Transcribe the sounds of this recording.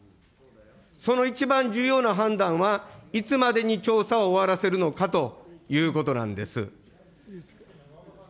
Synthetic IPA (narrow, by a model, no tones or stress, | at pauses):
so̞no̞it͡ɕibãɲ̟d͡ʑɨːjo̞ːnaɦãnd̪ãɰ̃βait͡sɨmad̪e̞ɲ̟it͡ɕo̞ːsaoːβaɾase̞ɾɯ̟no̞kat̪o̞jɯːko̞t̪o̞nã̰nd̪e̞sɨ̰